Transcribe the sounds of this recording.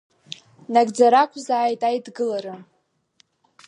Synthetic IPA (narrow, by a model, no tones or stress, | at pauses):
naɡd͡zaɾakʷʰʼzaːjtʼajdɡɨlaɾɨ